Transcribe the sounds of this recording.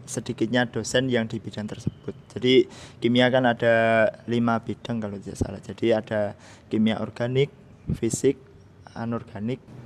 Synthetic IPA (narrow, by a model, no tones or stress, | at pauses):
sədikɪt̪̚ɲad̥osɛnjaŋdibid̥aŋt̪ərsəb̥ʊt̪̚d͡ʒ̥adikimiakanad̥alimab̥id̥aŋkalot̪idaʔsa̰lahd͡ʒ̥ad̥iad̥a | kimiaʔɔrɡ̥anɪk̚ | fisɪk̚ | a̰nɔrɡ̥anɪk̚